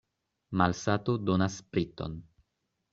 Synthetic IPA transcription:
malsatodonaspɾit̪o̞̰n

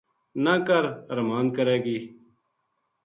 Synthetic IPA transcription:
naːkəɾəɾmaːnkəɾeːɡiː

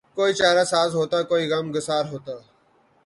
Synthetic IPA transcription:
koːiːt͡ʃaːɾaːsaːzɦoːt̪aːkoːiːɣəmɡəsaːɾɦoːt̪aː

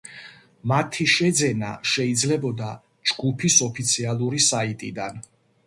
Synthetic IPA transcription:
mat̪ʰiʃɛd̪zɛna̰ʃɛid̪zlɛbɔd̪a | d͡ʒɡupʰisɔpʰit̪sʰialˠuɾisait̪ʼid̪an

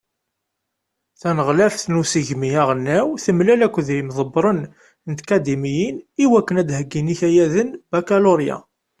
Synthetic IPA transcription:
θænəʁlæfθnusəʝmijaʁənːæwθəmlælækʷːðimðˤəbːɾˤən | ənt̪kæd̪imijiniwækːənæd̪həɡːiniçæjæðənbækaloɾja̰

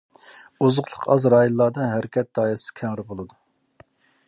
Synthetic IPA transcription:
ozʊqlˠəqʰɑzɾɑːjunːˠɑɾd̪ɨnɦɛɾkʲʰɛt̪̚d̪̥ɑːjisɨ̥kʲʰɛŋɾɪbolˠɨd̪u

